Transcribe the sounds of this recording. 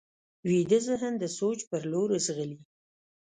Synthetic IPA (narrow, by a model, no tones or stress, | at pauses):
wid̪əzəɦənd̪əsot͡ʃpəɾloɾəzɣəli